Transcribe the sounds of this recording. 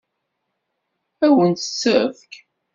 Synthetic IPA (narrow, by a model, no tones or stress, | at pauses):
æwənə̥t͡sːəɾfk